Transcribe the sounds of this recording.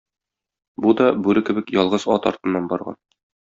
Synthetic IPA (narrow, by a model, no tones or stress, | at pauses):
bud̪ɒbʉɾɘkɘ̆bɘkjɒlˠʁɤzɒt̪ɒɾt̪ɤ̆nːɑnbɒɾʁɑ̰n